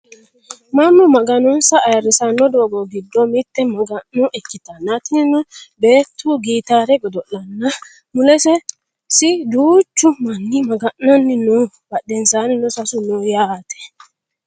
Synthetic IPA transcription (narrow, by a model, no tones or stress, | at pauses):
mamːɔmɐɡɐnɔnsɐːjɐɾɪsɐnːɔd̪oːɡɔɡɪd̪ːɔmɪt̪ːɛmɐɡɐnːɔʔɛkːɪt̪ɐnːat̪ɪnɪnɔbeːt̪ʰːuɡiːt̪aːɾɛɡɔd̪ɔʔːɐnːɐ | mʊlɛsɛ | sɪd̪uːt͡ʃːʊmɐnːɪmɐɡɐnːanːɪnɔ | b̥ɐɗɛnsaːnɪnɔsɐsʊnɔjaːt̪ɛ̥